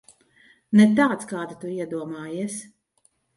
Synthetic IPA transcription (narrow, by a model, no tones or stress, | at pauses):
nɛt̪aːt̪skaːd̪it̪uiɛd̪uɔmaːjiɛs